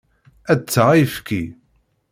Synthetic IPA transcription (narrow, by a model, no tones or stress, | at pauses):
æt͡sːəʁifki